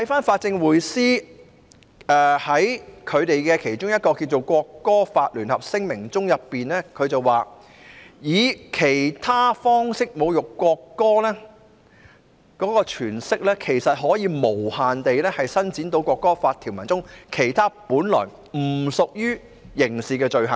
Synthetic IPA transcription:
t̪ʰɐ˨˥jfaː˥nfaː˧t̚t͡sɪ˧ŋwuː˨jsiː˥ | ʔɛː˧hɐ˨˥jkʰɵ˨˧ɥt̪e˨jkɛ˧kʰe˨˩jt͡ʃʊ˥ŋjɐ˥t̚kɔː˧kiː˧wt͡so˨wkʷɔː˧kːɔː˥faː˧t̚lyː˨˩nhɐ˨p̚sɪ˥ŋmɪ˨˩ŋt͡sʊ˥ŋjɐ˨pːiː˨nɛː˥kʰɵ˨˧ɥt͡sɐ˨waː˨ | jiː˨˧kʰe˨˩jt̪ʰaː˥fɔː˥ŋsɪ˥k̚mo˨˧wjʊ˨kːʷɔː˧kːɔː˥lɛ˥ | kɔː˨˥kɔː˧t͡ʃʰyː˨˩nsɪ˥k̚lɛː˥kʰe˨˩jsɐ˨t̚ɦɔː˨˥jiː˨˧mo˨˩whaː˨nt̪e˨jlɛː˥hɐ˨jsɐ˥nt͡siː˨˥nt̪o˨˥wkʷɔː˧kːɔː˥faː˧t̪ʰːi˨˩wmɐ˨˩nt͡sʊ˥ŋkʰe˨˩jt̪ʰaː˥puː˨˥nlɔ̰ː˨˩j | m̩˨˩sʊ˨k̚jyː˥ | jɪ˨˩ŋsiː˨kɛː˧t͡ʃɵ˨ɥɦɐ˨˩ŋ

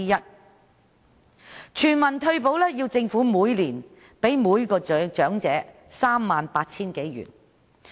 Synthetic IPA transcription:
i˥jɐ˥t̚ | t͡ʃʰyː˨˩nmɐ˨˩nt̪ʰɵ˧ɥp̬o˨˥wlɛː˥jiː˧wt͡sɪ˧ŋfuː˨˥muː˨˧jliː˨˩n | pe˨˥jmuː˨˧jkɔː˧˨t͡ʃœː˨˥ŋt͡sɛː˨˥ | saː˥mːaː˨˧npaː˧t̚t͡sʰiː˥nke˨˥jɥy̰˨˩n

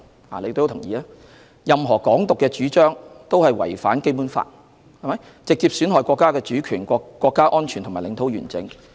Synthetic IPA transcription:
laː˨˩le˨˧t̪o˥˧o˧˥tʰʊ˨˩ŋjiː˨˧laː˥ | jɐ˨mɦɔː˨˩kɔː˨˥ŋt̪ʊ˨kːɛː˧t͡ʃyː˨˥t͡ʃœː˥ŋt̪o˥whɐ˨jwɐ̰˨˩jfaː˨˥nke˥jpuː˨˥nfa̰ː˧t̚ | hɐ˨˩jmɐ˨˦j | t͡sɪ˨k̚t͡siː˧p̚syː˨˥nɦɔː˨˩jkʷɔː˧kːaː˥kɛː˧t͡ʃyː˨˥kʰyː˨˩nː˧kʷːɔː˧kːaː˥ʔɔː˥nt͡ʃʰy˨˩ntʰʊ˨˩maː˨˩lɪ˨˧ŋt̪ʰo˨˥wjɥy̰ː˨˩nt͡sɪ̰˨˥ŋ

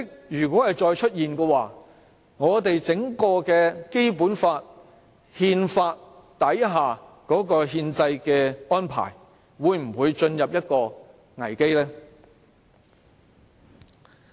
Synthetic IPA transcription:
k̚jyː˨˩kwɔː˨˥hɐ˨jt͡ʃɔː˧jt͡ʃʰɵ˥t̚jiː˨nkɛː˧waː˨˩ | ŋɔː˨˧t̪e˨jt͡sɪ˨˥ŋkɔː˧kɛː˧ke˥jpuː˨˥nfaː˧t̚ | hiː˧nfaː˧t̚ | t̪ɐ˨˥jɦaː˨˩ | kɔː˨˥kɔː˧ɦiː˧nt͡sɐ˧jkɛː˧ɔː˥npʰa̰ː˨˩j | wuː˨˧jm̩˨˩wuː˨˧jt͡ʃɵ˧njɐ˨p̚jɐ˥t̚kɔː˧ | ŋɐ̰˨˩jke˥jlɛː˥

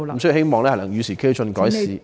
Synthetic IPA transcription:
m̩˨she˥jmɔː˨ŋlɛː˥hnɐ˨˩ŋjy˨˧siː˨˩kʰeː˥˧sʰɵ˧nkɔː˨˥jsiː˨˧

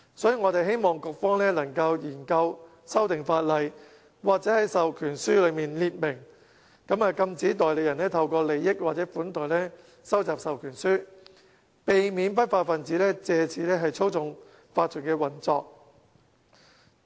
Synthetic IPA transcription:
sɔː˨˥jiː˨˧ŋɔ˨˧t̪e˨jɦe˥jmɔː˨ŋkɔ˧k̚fɔː˥ŋlɛː˥lɐ˨˩ŋkɐ˧wjiː˨˩nkɐ˧w | sɐ˥wt̪ɪ˨ŋfaː˧t̚lɐ˨j | waː˨k̚t͡sɛː˨˥hɐ˨˥jsɐ˨wkʰyː˨˩nsyː˥lɵ˨˧ɥmiː˨nliː˧t̚mɪ˨˩ŋ | kɐ˨˥maː˨˧kɐ˧mt͡siː˨˥t̪ɔː˨jle˨˧jɐ˨˩nɛː˥t̪ʰɐ˧wkɔː˧le˨jːɪ˥k̚waː˨t͡sɛ˨˥fuː˨˥nt̪ɔː˨˩jlɛː˥ | sɐ˥wt͡saː˨p̚sɐ˨wkʰyː˨˩nsyː˥ | pe˨jmiː˨˥np̬ɐ˥t̚faː˧t̚fɐ˨nt͡siː˨˥lɛː˥t͡sɛː˨˧t͡sʰiː˨˥lɛː˥ɦɐ˨jt͡sʰo˥wt͡sʊ˨ŋ | faː˧t̚t͡sʰʊ˨˩nkɛː˧wɐ˨˩nt͡sɔː˧k̚

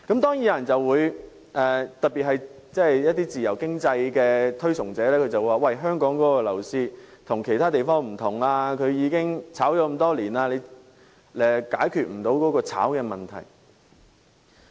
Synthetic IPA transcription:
kɐ˨˥mt̪ɔː˥ŋji˨˧˥jɐ˨˩nt͡sɐ˨wwuː˨˧j | ʔɛː˨˩t̪ɐ˨t̚piː˨t̚hɐ˨j | t͡sɛ˥˨jjɐ˥t̪̬iː˥t͡siː˨˩jɐ˨˩wkɪ˥ŋt͡sɐ˧jkɛː˧t̪ʰɵ˥ɥsʊ˨˩ŋt͡sɛː˨˥lɛː˥kʰɵ˨˧t͡sɐ˨wu˧waː˨wɐ˧˩jɦœː˥ŋkɔː˨˥ŋkɔː˨˥kɔ˧lɐ̰˨˩wsiː˧t̪ʰʊ˨˩ŋkʰe˨˩jt̪ʰaː˥t̪̬e˨jfɔː˥ŋm̩˨˩t̪ʰʊ˨˩ŋlaː˧kʰɵ˨˧ɥjiː˨˧kɪ˥ŋt͡sʰaː˨˥wjɔː˨˧˥kɐ˧mt̪ɔː˥liː˨˩naː˧le˨˧j | ɛː˨˩kaː˨˥jkʰyː˨t̚m̩˨˩t̪o˨˥wkɔː˨˥kɔː˧t͡sʰa̰ː˨˥wkɛː˧mɐ˨˩nt̪ʰɐ̰˨˩j

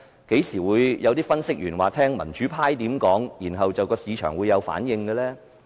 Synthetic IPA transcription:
ke˨˥jsiː˨˩wuː˨˧jjɐ˨˧wt̪iː˥fɐ˥nsɪ˥k̚jyː˨˩nwaː˨t̪ʰɛː˥ŋmɐ̰˨˩nt͡ʃyː˨˥pʰaː˥jt̪iː˨˥mkɔː˨˥ŋjiː˨˩nɦɐ˨wt͡sɐ˨wkɔː˧siː˨˧t͡ʃʰœ̰ː˨˩ŋwuː˨˧jːɐ˨˧wfa̰ː˨˥njɪ˧ŋɡə˧lɛː˥

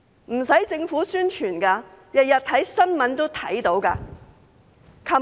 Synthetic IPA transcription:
m̩˨˩sɐ˨˥jt͡sɪ˧ŋfuː˨˥syː˥nt͡ʃʰyː˨˩nkaː˧jɐ˨t̚jɐ˨t̚t̪ʰɐ˨˥jsɐ˥nmɐ˨˥nt̪o˥wt̪ʰɐ˨˥jt̪o˨˥wka̰ː˧ | kʰɐ˧˩

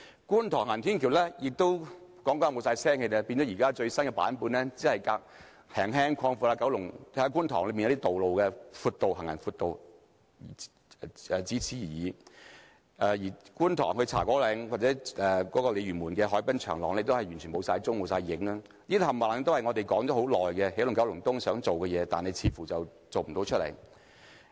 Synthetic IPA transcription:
kuː˥nt̪ʰɔː˨˩hŋɐ˨nt̪ʰiː˥nkʰiː˨˩wlɛː˥jɪ˨k̚t̪o˥wkɔː˨˥ŋkɔː˧˦˥mo˨˧wsaː˧jsɛː˥ŋhe˧jd̪ɛ˧˥piː˧nɔ˨˥jiː˨˩kaː˥t͡ʃɵ˧ɥsɐ˥nkɛ˧pa̰ː˨˥npuː˧nlɛː˥t͡siː˨˥hɐ˨jkaː˧k̚ | hʰɛː˨˩ŋɦɛː˥ŋkʰɔː˧ŋfuː˧laː˧kɐ˨˥wlʊ˨˩ŋ˥hɐ˨˥k̬uː˥nt̪ʰɔː˨˩ŋlmi˨jt̪i˥t̪o˨wlo˨wkɛː˧fuː˧t̚t̪o˨whɐ˨ŋɐ̰˨˩nfuː˧t̚t̪o˨w | ɛː˨t͡si˨˥t͡sʰiː˨˥˨jiː˨˧ | ʔɛː˨˧jiː˨˩kuː˥nt̪ʰɔ̰ː˨˩ŋhɵ˧t͡sʰaː˨˩kɔː˨˥lɛː˨˥ŋwa˨t̚t͡sɛ˨˥ʔɛː˨kɔː˨˥kɔː˧le˨˧jɥyː˨˩nmuː˨˩nkɛː˧ɦɔː˨˥jpɐ˥nt͡ʃʰœ̰ː˨˩ŋlɔː˨˩ŋle˧t̪o˥hɐ˨jyː˨˩nt͡ʃʰːmo˨˧wsaː˧jt͡sʊ˥ŋmo˨˧wsaː˧jjɪ˨˥ŋla˥ | niː˥d̪hɐ˨˩maː˨n˧t̪whɐ˨jŋɔː˨˧t̪e˨˩jkɔː˨˥ŋt͡sɔː˨˥ho˨˥wlɔː˨jkɛ˧he˨˥lʊ˨˩ŋkɐ˨˥wlʊ˨˩ŋt̪ʊ˥ŋsœː˨˥ŋt͡so˨wkɛː˧jɛː˨˧t̪a̰ː˨nhe˨jt͡sʰiː˨˥fuː˨˩t͡sɐ˨w | t͡so˨wm̩˨˩t̪o˨˧wt͡ʃʰɵ˥t̚lḛ˨˩j

